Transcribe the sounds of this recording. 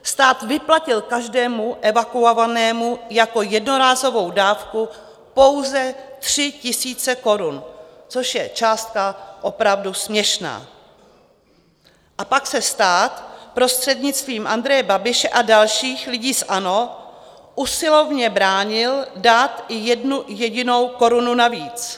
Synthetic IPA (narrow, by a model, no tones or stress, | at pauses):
st̪aːt̪vɪplacɪlkaʒdɛːmuʔɛvakuovanɛːmujako̞jɛdno̞ɾaːzo̞vo̞wdaːfku | po̞wzɛt̪r̝̥ɪcɪsiːt͡sɛko̞ɾunt͡so̞ʃjɛt͡ʃaːst̪̚kaʔo̞pɾavdusmɲɛʃna̰ː | ʔapaksɛst̪aːt̪pɾo̞st̪r̥ɛdɲɪt͡st̪viːmʔand̪ɾɛjɛbabɪʃɛʔadalʃiːxlɪɟiːsʔano̞ | ʔusɪlo̞vɲɛbɾaːɲɪldaːt̪ʔɪjɛdnujɛɟɪno̞wko̞ɾununaviːt͡s